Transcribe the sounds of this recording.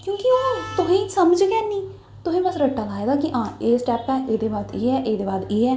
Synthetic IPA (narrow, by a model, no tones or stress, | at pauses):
kjõːkioːt̪ʊɦẽːsəməd͡ʒɡɛːniː | t̪ʊsẽːbəsɾəʈːaːlaːeɡ̪aːkɪʔãːeːsʈɛːpɛːʔeːd̪eːbaːd̪iːɦɛːʔeːd̪eːbaːd̪iːɦɛː